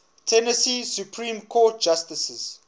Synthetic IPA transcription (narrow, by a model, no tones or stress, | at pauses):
tʰɛnəsisjupʰɹĩːmkʰɔːt̚d͡ʒastəsəz̥